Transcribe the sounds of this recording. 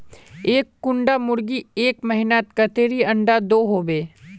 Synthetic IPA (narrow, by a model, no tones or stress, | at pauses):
eːkːʊɳɖamʊɾɡieːkməɦɪnat̪kət̪eːɾiɐ̃ɳɖad̪oːɦoːbeː